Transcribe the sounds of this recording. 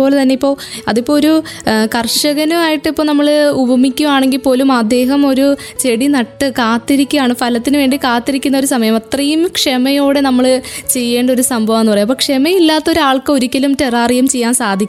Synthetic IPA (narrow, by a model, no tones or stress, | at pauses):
o̞ːlet̪ɐnːeipːo̞ːɐðipːo̞ːoɾukɐrʂɐɣɐnumaːjiʈːɨipːo̞ːnɐmːɐɭubʱɐmikʲːumaːɳe̞ŋɡilpo̞ːlumɐd̪ːe̞ːɦɐmo̞ɾu | t͡ɕe̞ɽinɐʈːɨkaːt̪ːiɾikʲːuaːɳɨfʰɐlɐt̪ːinɨʋe̞ːɳɖikaːt̪ːiɾikʲːunːɐo̞ɾusɐmɐjɐmɐt̪rɐjumkʂemɐjo̞ːɽe̞nɐmːɐɭt͡ɕe̞jːe̞ːɳɖɐo̞ɾusɐmbʱɐʋɐmenːpɐrɐjːmɐpːoːkʂemɐilːaːt̪ːo̞ɾuaːɭkɐo̞ɾikʲːɐlumteraːrijumt͡ɕe̞jːaːnsaːd̪ʱikʲː